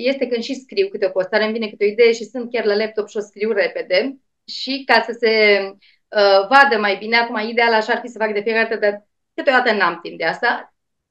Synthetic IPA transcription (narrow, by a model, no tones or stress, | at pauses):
je̞st̪e̞kɨnd̪ʃiskɾiwkɨt̪eo̞po̞st̪aɾemvinekɨt̪eo̞id̪e̞je̞ʃisɨnt̪̚kʲarlalep̚t̪o̞pʃio̞skɾiwre̞pe̞d̪e̞ | ʃikasəse̞ | əvad̪əmajbine̞akumaid̪e̞alaʃaaːrfisəfakd̪e̞fijekaɾd̪at̪əd̪ar | kɨt̪eo̞d̪at̪ənamt̪imp̚d̪east̪a